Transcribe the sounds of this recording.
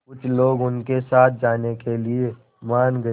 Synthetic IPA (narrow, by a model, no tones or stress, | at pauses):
kʊt͡ʃʰloːɡʊnkesaːt̪̚ʰd͡ʒaːnekelie | maːnɡɐ